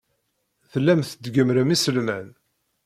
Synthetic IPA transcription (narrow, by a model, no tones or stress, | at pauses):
θəlːæmθəd̪ɡəmɾəmisəlmæn